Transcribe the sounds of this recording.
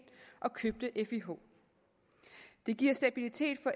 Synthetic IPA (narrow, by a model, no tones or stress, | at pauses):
nʔɒ̽kʰøb̥̚d̥əʔefiɦo̰ | d̥e̝ɡ̥iɐ̰sd̥æb̥ilit͡sʰe̝̰ːd̥fɒ̽ʔ